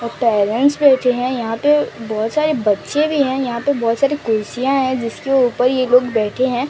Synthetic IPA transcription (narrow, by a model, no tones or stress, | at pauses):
ɔɾpɛːɾə̃ɳʈsbɛːʈʰeɦɛ̃jɐɦãpebɔːt̪saːɾebɐtːʃẽbʱiɦɛ̃jɐɦãpɐbɔːt̪saːɾikʊɾsijãɦɛ̃d͡ʒɪskeuːpəɾjeloːɡbɛːʈʰeɦɛ̃ː